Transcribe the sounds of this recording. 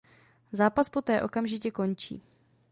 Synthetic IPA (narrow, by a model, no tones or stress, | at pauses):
zaːpaspo̞t̪ɛːʔo̞kamʒɪcɛko̞nt͡ʃḭː